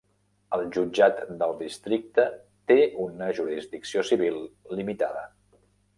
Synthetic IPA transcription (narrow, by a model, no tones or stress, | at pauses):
əlˠʒud͡ʒat̪d̪əlˠd̪ist̪ɾik̚t̪ə | t̪eunəʒuɾizd̪iksiosiβilˠlimit̪a̰ðə̰